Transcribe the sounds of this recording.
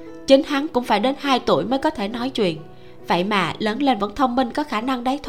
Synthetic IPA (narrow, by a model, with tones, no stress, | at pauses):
t͡ɕï˨˦ŋ̟ha˨˦ŋkʊ̰˧˥ŋ͡mfaː˧˩jɗe˨˦nhaː˧jt̪ṵ˧˩əjməː˨˦jkɔ˨˦t̪ʰe˧˩nɔ˨˦jt͡ɕwḭ˧˨ən | və̰˧˨jma̰ː˨˩ləː˨˦nle˧nvə̰˧˥nt̪ʰə˧wŋ͡mmï˧ŋ̟kɔ˨˦xaː˧˩na˧ŋɗa˨˦jt̪ʰ